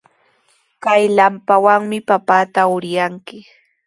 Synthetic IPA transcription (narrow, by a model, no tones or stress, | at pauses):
kajlampawaŋmɪpapaːt̪aʊɾjaŋkɪ